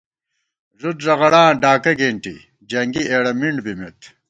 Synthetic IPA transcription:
ʐut̪zɐɣɐɽãːɖaːkɐɡeɳʈḭ | d͡ʑɐŋɡiʔeːɽɐmiɳɖbimet̪

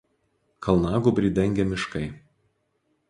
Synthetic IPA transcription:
kʰɐlˠnɑːɡubʲɾʲiːd̪ʲɛŋʲɡʲɛmʲɪʃkɐɪ

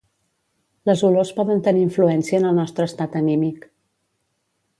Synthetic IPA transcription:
ləzulospɔðənt̪əniːɱfluɛnsiəːnəlˠnɔst̪ɾəːst̪at̪ənimik

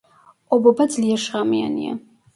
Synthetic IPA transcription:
obabad͡zljaʂamja̰nija̰

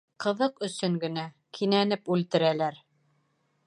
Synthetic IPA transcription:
qɤ̆ðɤqɵ̆sɵŋɡɘ̆næ | kʰinænɘpʉlt̪ɘ̆ɾælæɾ

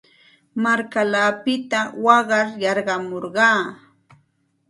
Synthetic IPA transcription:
maɾkalaːpɪt̪awɑɢɑɾjɑɾɢɑmoɾɢɑː

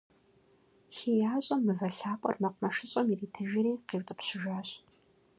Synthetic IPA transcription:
ɬeːjaːɕʼɐmːɨvɐɬaːpʼɐ̰rmɐqʷmɐʂɨɕʼɐmiriːtʰɨʒɪɾiːqiːwtʼɨpɕɪʒaːɕʼ

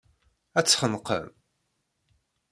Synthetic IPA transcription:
æt͡sːχənqə̰m

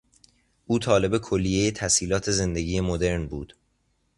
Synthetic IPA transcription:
ʔuːt̪ʰɒːle̞be̞kʰolːijejet̪ʰæsiːlɒːt̪ʰe̞ze̞nd̪e̞ɟiːjemod̪e̞ɾnbuːd̪̥

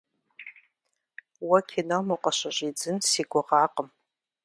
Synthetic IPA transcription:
wɐkʰinomuqʷɐɕɐɕʼiːd͡zɨnsiːɡʷʊʁɑːqəm

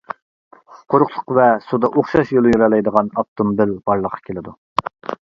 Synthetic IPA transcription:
χʊ̥qʰʊɾʊχlˠʊ̥qvɛsud̪ɑʔoχʃɑʃjolˠujuɾɑlˠɑjd̪əʁɑnɑp̚t̪ʰombɪlb̥ɑɾlˠəqʰːɑ̥kʲʰelɪd̪u

